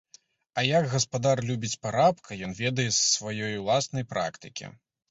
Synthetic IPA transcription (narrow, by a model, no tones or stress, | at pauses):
ɐjɐɡɣɐspad̪arlʲubʲit͡sʲpaɾapkʰɐjɔnvʲɛd̪ɐjɛsːvajɔjwlˠasnɐjpɾa̰kt̪ɨkʲḭ